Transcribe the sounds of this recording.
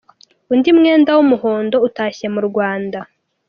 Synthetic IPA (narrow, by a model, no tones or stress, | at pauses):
undimŋe̞ːndawumuho̞ːndo̞utaːçemuɾɡwaːnda